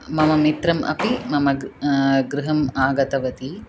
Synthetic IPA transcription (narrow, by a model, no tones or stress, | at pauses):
mɐmɐmit̪ɾɐmʔɐ̰pimɐmɐ | ɡɾuɦɐmaːɡɐt̪ɐʋɐt̪i